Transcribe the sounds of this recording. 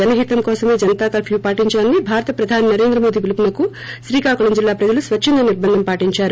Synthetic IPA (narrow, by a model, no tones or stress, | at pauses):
d͡ʒɐnɐɦit̪ɐmkɔːsɐme̞ːd͡ʒɐnɐt̪aːkaːpʰjuːpaːʈiɲt͡ʃaːnːibʱaːɾɐt̪ɐpɾɐd̪ʱaːninɐɾe̞ːnd̪ɾɐmo̞ːd̪iːʋilupunɐku | ʃɾiːkaːkuɭɐmd͡ʒilːaːpɾɐd͡ʒɐlusʋɐt͡ʃt͡ʃʰːind̪ɐniɾbɐnd̪ʱɐmpaːʈiɲt͡ʃaːɾu